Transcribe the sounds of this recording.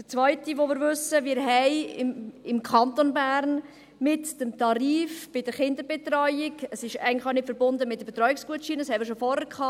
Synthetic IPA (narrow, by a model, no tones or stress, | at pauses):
d̥ət͡svœʏtiʋomɪːɾʋʏsəʋɪːɾɦɛɪɪɪmkʰɑntonbæːɾn | mɪtd̥əmtɑɾiːfb̥ɪdəχɪnd̪əɾbɛt̪ɾɔjɪkəsɪʃæ̰ɪɡn̩tlɪaʊnɪtfəɾbʊndəmɪt̚d̥əbetɾɔɥɪksɡ̥uətʃiːnəshɛməɾʃofɔɾhəɾkʰχɑː